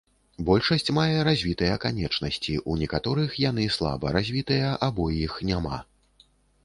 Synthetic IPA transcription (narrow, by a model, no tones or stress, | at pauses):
bɔlʲʂɐsʲt͡sʲmajɛɾazʲvʲit̪ɐjɐkanʲɛt͡ʂnɐsʲt͡sʲiʔunʲɛkat̪ɔɾɨxjan̪ɨslˠa̰bɐ̰ɾazʲvʲit̪ɨjɐʔabɔjixnʲama̰